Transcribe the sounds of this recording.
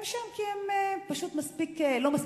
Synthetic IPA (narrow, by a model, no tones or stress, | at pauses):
mʃamkiemepaʃut̪maspikelomas